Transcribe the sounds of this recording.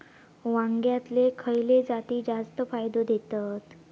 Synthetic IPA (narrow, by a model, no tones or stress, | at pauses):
ʋãŋɡjat̪lekʰəjled͡zat̪iːd͡ʑast̪əfajd̪od̪ʱet̪at̪